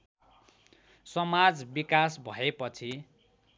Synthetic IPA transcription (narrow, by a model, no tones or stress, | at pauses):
sʌmad͡zbikasbʱʌepʌt͡sʰi